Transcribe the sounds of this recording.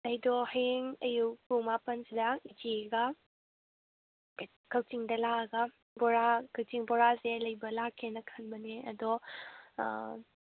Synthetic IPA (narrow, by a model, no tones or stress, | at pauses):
lɐjdɔheŋɐjukumapɐnsidɐid͡ʒiɡɐ | kʰɐwtiŋdɐlaɡɐ | bɔɾakʰɐwtiŋbɔɾaselɐjbɐlakʰːenɐkʰɐnbɐneɐ̰dɔ